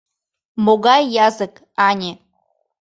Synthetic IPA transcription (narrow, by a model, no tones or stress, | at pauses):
moɣɑjːɑzək | ɑnʲe